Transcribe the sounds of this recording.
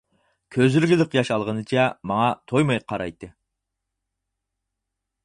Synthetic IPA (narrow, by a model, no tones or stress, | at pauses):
kʲʰøzyɾɡʲɪlɪqjɑʃɑlˠʁənɨt͡ʃʰɛmɑŋɑt̪ʰojmɑjqʰɑɾɑ̰jt̪ʰɨ